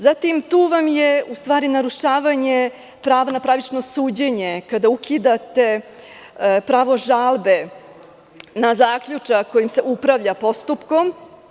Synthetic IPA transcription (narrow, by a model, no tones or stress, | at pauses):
zat̪imt̪uːʋamjeust̪ʋaːɾinaɾuʃaːʋaɲe | pɾaːʋanapɾaʋit͡ʃnosuːd͡ʑeɲe̞kad̪aukʰid̪at̪e̞ | pɾaːʋo̞ʒaːlbe | nazaːkʎut͡ʂako̞jimse̞ʔupɾaʋʎapo̞st̪upkom